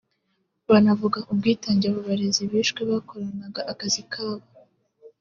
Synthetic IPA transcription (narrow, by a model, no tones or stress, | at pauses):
βanavuɡaʔub̚ɡiːtaːɲɟaβoβaɾeziβiːʃkweβako̞ɾanaɡaʔakazikʰaːβa